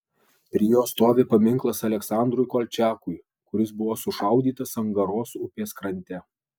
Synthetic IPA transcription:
pʲɾʲɪːjoːst̪oːʋʲeːpɐmʲɪŋˑklˠɐsɐlʲɛksɑˑnd̪ɾʊjkoːlʲt͡ʃʲæːkʊj | kʊɾʲɪsbʊʋoːsʊʃɐˑʊd̪ʲiːt̪ɐsɐŋɡɐɾoːsʊpʲeːskɾɐnʲt̪ʲɛ

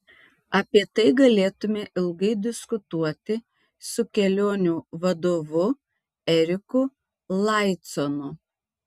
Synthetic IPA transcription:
ɐpʲiɛt̪ɐɪɡɐlʲeːt̪ʊmʲɛʔɪlˠɡɐɪd̪ʲɪskʊt̪uɔt̪ʲɪ | sʊkʲɛlʲoːnʲuːʋɐd̪oːʋʊ | ɛɾʲɪkʊ | lˠɐˑɪt̪sɔnʊ

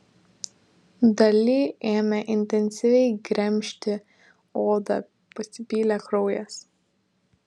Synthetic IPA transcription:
d̪ɐlʲɪːeːmʲɛʔɪnʲt̪ʲɛnʲsʲɪʋʲɛɪɡɾʲɛmʲˑʃʲt̪ʲɪ | oːd̪ɐ̰ | pɐsʲɪpʲiːlʲɛkɾɔʊjɛs

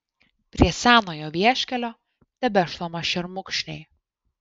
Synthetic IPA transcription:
pʲɾʲiɛsʲæːnoːjoːʋʲiɛʃʲkʲɛlʲoː | t̪ʲɛbʲɛʃlˠomɐʃʲɛɾmʊkʃʲnʲɛɪ

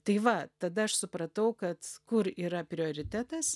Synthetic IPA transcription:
t̪ɐɪʋɐt̪ɐd̪ɐɐʃsʊpɾɐt̪ɐʊkɐt̪kʊɾiːɾɐpʲɾʲɪoːɾʲɪt̪ʲæːt̪ɐs

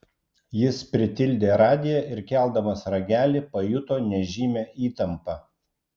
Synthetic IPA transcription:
jɪspʲɾʲɪt̪ʲɪlʲd̪ʲeːɾɑːd̪ʲɪjɛʔɪɾkʲɛˑlˠd̪ɐmɐsɾɐɡʲæːlʲipɐjʊt̪oːnʲɛʒʲiːmʲɛːʔiːt̪ɐmpɐ

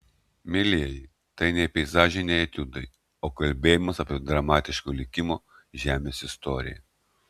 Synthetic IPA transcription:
mʲɪlʲɪjɛj | t̪ɐɪnʲɛɪpʲɛɪzɑːʒʲɛɪnʲɛɪɐt̪ʲʊd̪ɐɪ | oːkɐlʲbʲeːjɪmɐsɐpʲiːd̪ɾɐmɑːt̪ʲɪʃkoːlʲɪkʲɪmoː | ʒʲæːmʲeːsɪst̪ɔɾʲɪ̰jɛ̰

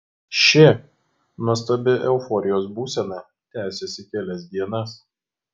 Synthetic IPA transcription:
ʃʲɪ | nuɔst̪ɐbʲɪʔɛʊfɔɾʲɪjoːs̬buːsʲɛnɑː | t̪ʲæːsʲɛsʲɪkʲɛlʲɛs̬ʲd̪ʲiɛnɐs

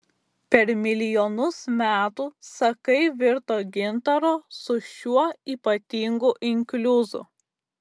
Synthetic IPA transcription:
pʲɛɾmʲɪlʲɪjɔnʊsmʲæːt̪uːsɐkɐɪʋʲɪɾt̪oːɡʲɪnt̪ɐɾoːsʊʃʲuɔiːpɐt̪ʲiːŋɡuʔɪŋʲkʲlʲʊzʊ̰

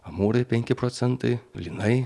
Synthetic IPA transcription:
ɐmuːɾʲɐpʲɛŋʲkʲɪpɾɔt̪sʲɛnt̪ɐɪlʲinɐɪ

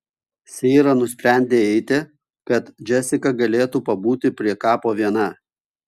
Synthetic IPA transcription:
sʲɛːɾɐnʊsʲpʲɾʲæˑnʲd̪ʲeːɛɪt̪ʲɪ | kɐt̪d͡ʒʲɛsʲɪkɐɡɐlʲeːt̪uːpɐbuːt̪ʲɪpʲɾʲiɛkɑːpoːʋʲiɛn̪ɑː

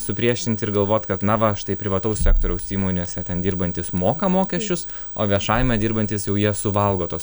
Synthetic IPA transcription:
sʊpʲɾʲiɛʃʲɪnt̪ʲɪɾɡɐlˠʋoːt̪ʲkɐt̪nɐʋɐʃt̪ɐɪpʲɾʲɪʋɐt̪ɐʊssʲæːkt̪oːɾʲɛʊsiːmoːnʲeːsʲɛt̪ʲɛnd̪ʲiːɾbɐnʲt̪ʲɪsmoːkɐmoːkʲɛʃʲt͡ʃʲʊs | o̰ːʋʲiɛʃɑːjɪmʲɛd̪ʲiːɾbɐnʲt̪ʲɪsjɛʊjiɛsʊʋɐlˠɡoːt̪oːs

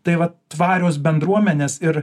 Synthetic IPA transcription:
t̪ɐɪʋɐt̪ʋɑːɾʲoːsbʲɛnd̪ɾuɔmʲɛnʲeːsɪɾ

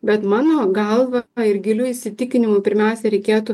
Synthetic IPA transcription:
bʲɛt̪mɑːnoːɡɐlˠʋɐɪɾɡʲɪlʲuːɪsʲɪt̪ʲɪkʲɪnʲɪmʊpʲɪɾʲmʲɛʊsʲɛɾʲɛɪkʲeːt̪ʊ

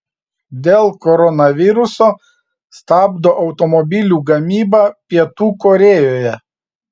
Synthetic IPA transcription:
d̪ʲeːlˠkɔɾɔnɐʋʲɪɾʊsoː | st̪ɑːbd̪oːʔɒʊt̪ɔmɔbʲɪlʲuːɡɐmʲiːbɑpʲiɛt̪uːkɔɾʲeːjoːjɛ

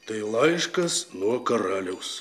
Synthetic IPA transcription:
t̪ɐɪlˠɐɪʃkɐsnuɔkɐɾɑːlʲɛʊs

